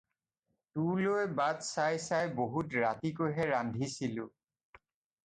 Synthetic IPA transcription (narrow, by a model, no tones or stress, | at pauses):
tulojbadsajsajboɦutɹatikoɦɛɹandʱisilʊ